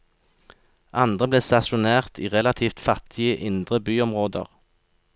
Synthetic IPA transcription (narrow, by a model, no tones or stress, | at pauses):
ʔɑnd̪ʁəbleːst̪ɑsʊneːʁt̪ʰiːʁɛlɑt̪ʰiːft̪fɑt̪ʰɪəʔɪnd̪ʁəbyːɔmʁoːd̪ə̰ʁ